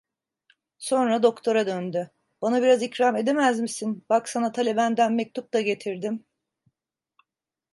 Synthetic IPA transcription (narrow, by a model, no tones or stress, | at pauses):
so̞nɾad̪o̞kt̪ʰo̞ɾad̪ønd̪y | b̥anabiɾazicɾame̞d̪e̞mæzmisinbaksanat̪ʰalʲe̞bænd̪ænmɛc̚t̪ʰup̚t̪aɟe̞t̪ʰiɾd̪im